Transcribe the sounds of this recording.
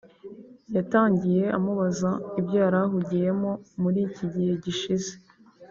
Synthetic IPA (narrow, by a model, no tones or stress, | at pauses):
jataːɲɟije̞ʔamuβazaibɟaːɾaɦuɟije̞mo̞muɾiːciɟihe̞ɟiʃize̥